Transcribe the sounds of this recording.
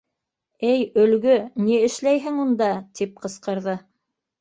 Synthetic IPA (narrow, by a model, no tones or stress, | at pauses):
ɘjɵ̆lɡɵniɘ̆ʃlæjɦɘŋund̪ɑt̪ʰip̚qɤ̆sqɤ̆ɾðɤ